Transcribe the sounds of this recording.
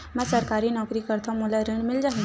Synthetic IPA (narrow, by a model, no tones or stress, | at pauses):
mɛ̃səɾkaɾinɔːkɾikəɾt̪ʰɔmulaɾiɳmɪld͡ʒaɦĩ